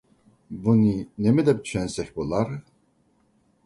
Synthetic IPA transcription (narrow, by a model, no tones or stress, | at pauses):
buninɛmɛd̪ɛp̚t͡ʃʰɛnsɛxʲbɔlaɾ